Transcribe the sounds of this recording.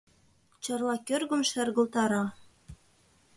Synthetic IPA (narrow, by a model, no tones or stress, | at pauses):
t͡ɕɑrlɑkørɣə̆mʃærɣə̆lt̪ɑɾɑ